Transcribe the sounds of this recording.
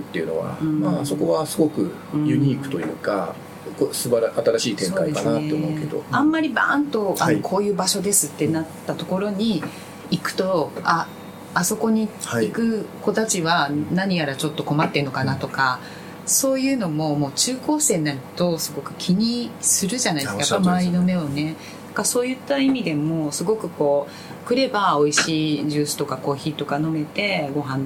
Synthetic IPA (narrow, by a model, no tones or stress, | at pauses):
ɯt̪ːe̞iɯ̟no̞̰βa̰maso̞ko̞βasɨɡo̞kɯ̟ | jɯ̟ɲ̟iːkɯ̟̥t̪o̞jɯ̟̰ːka̰ | kosɨbaɾat̪aɾaɕiːt̪ẽŋokaiekanat̪ːeomoɯke̞d̪o̞̰ãmːaɾʲibã̰nt̪o̞anokʰo̞ːjɯ̟ːbaɕo̞d̪e̞sɨt̪ːe̞nat̪ːat̪o̞ko̞ɾo̞ɲ̟iː | kɯ̟̥t̪o̞aː | so̞ko̞ɲ̟ihaikɯ̟ko̞t̪at͡ɕiβanaɲ̟ijaɾat͡ɕo̞t̪ːo̞ko̞mat̪ːeno̞kanat̪o̞ka | so̞ːjɯ̟ːno̞mo̞mo̞ːt͡ɕɨːko̞ːse̞ːnaɾit̪o̞sɨɡo̞kɯ̟̥kʲʰiɲ̟isɨɾɯ̟ʑanaid̪eskajappːamaːɾʲino̞me̞o̞ne̞ | nãŋkaso̞ːjɯ̟t̪ːaimʲid̪e̞mo̞sɨɡo̞kɯ̟ko̞ː | kɯ̟ɾe̞bao̞iɕiːʑɨːsɨ̥t̪o̞kako̞ːçiːt̪o̞kano̞me̞t̪e̞ɡo̞ɦãn